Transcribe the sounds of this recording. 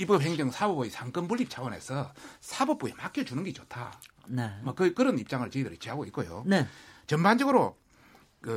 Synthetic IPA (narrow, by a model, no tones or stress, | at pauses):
ipʌp̚ɦeŋd͡ʑʌŋsʰabʌboisʰaŋk͈ɯnbuɭːip̚t͡ɕʰawʌne̞sʰʌsʰabʌp͈̚oemak͈ʰjʌt͡ɕunɯnɡet͡ɕotʰa̰ | nemʌkɯkɯɾʌnip̚t͡ɕ͈aŋɯɭt͡ɕeidɯɾit͡ɕ͈ʰiɦaɡoik͈ojo̰net͡ɕʌmband͡ʑʌɡɯɾo | kɯ